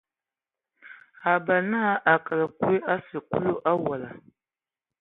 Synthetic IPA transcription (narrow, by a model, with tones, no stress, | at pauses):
a˨ba˨na˦ʔa˨ka˨la˨ku˦e˦ʔa˦sɨ˨ku˦lo˦ʔa˦wa˨la˨